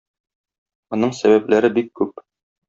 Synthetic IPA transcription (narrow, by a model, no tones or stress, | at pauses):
ŏnɤɴsæβæplæɾɘbikːʉp̚